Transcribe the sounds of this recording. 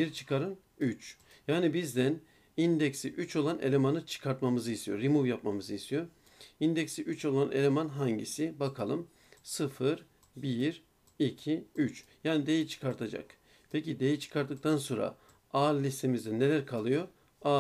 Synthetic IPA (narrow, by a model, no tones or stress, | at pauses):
biɾt͡ʃʰɯ̥kaɾɯn | yt͡ʃ | jaːnibizd̪æn | ind̪ɛksiʔyt͡ʃʰo̞lˠane̞̰lʲemanɯt͡ʃʰɯ̥kʰaɾt̪mamɯzɯjisʰijo̰ɾimuvjap̚mamɯzɯjist̪ʰijo̞ɾ | ind̪ɛksiʔyt͡ʃo̞lˠane̞̰lʲe̞manɦaɲɟḭsibakʰalˠɯm | sɯfɯɾ | biɾ | icʰiyt͡ʃjaːnid̪e̞jit͡ʃʰɯ̥kʰaɾt̪ʰad͡ʒa̰k | pʰecid̪e̞jit͡ʃʰɯ̥kʰaɾt̪ːɯkt̪ʰanso̞nɾa̰ | aɾlʲist̪ʰe̞mizd̪ɛne̞lʲæɾkʰalˠɯjo̞ | a